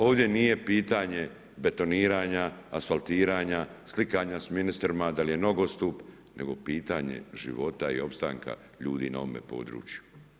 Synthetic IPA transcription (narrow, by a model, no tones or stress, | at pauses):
o̞ːʋd̪ʲje̞nije̞piːt̪aɲe̞ | be̞t̪o̞niːɾaːɲaːsfalˠt̪iːɾaːɲaslikaɲasminist̪ɾimad̪alije̞no̞ɡost̪up | ne̞̰ɡo̞̰piːt̪aɲe̞̰ʒḭʋo̞t̪aḭo̞pst̪a̰ŋka̰ | ʎuːd̪ḭːna̰o̰mḛpo̞̰ːd̪ɾṵːt͡ʃju̥